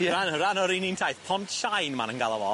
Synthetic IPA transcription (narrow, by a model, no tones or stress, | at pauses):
ɾanɔɾanɔɾinintʰajθpʰɔntʃajnma̰nənɡalˠavɔ